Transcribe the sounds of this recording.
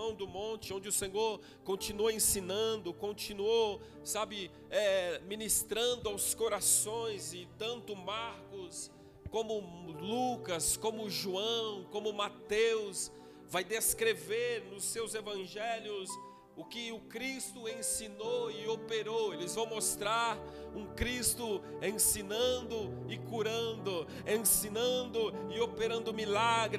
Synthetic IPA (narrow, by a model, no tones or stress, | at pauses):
ɐ̃w̃d̪ʊmõnt͡ʃɪõnd͡ʒɪʊsẽɲoɾ | kõnt͡ʃinuɐẽsĩnɐ̃d̪ʊkõnt͡ʃĩnuoː | abɪ | ɛmĩnist̪ɾɐ̃nd̪ʊawskoɾasõj̃zɪt̪ɐ̃nt̪ʊmaɾkʊs | kõmʊlukɐskõmʊʒuɐ̃w̃kõmʊmat̪ews | vajd̪eskɾeveɾnʊsewzevɐ̃ʒɛljʊs | ʊkɪʊkɾist̪ʊẽsinowɪopeɾowelɪzvɐ̃w̃most̪ɾaɾũkɾist̪ʊẽsĩnɐ̃nd̪ʊ | ɪkuɾɐ̃nd̪ʊ | ẽsĩnɐ̃d̪ʊɪopeɾɐ̃nd̪ʊmilaɡɾɪ